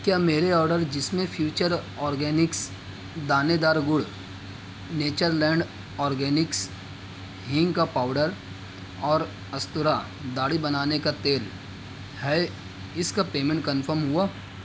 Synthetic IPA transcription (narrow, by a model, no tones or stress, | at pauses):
kjaːmeːɾeɔːɾɖəɾd͡ʒɪsmẽfʰjuːt͡ʃəɾ | ɔːɾɡɛːnɪks | d̪aːned̪aːɾɡʊɽ | neːt͡ʃəɾlɛ̃ːɳɖ | ɔːɾɡɛːnɪks | ɦɪ̃ŋɡkapaːʊɖəɾ | ɔːɾ | ɐst̪ʊɾa | d̪aːɽibɐnaːnekat̪eːl | hɛ | ɪskapeːmẽɳʈ̚kɐ̃nfʰəɾmɦʊaː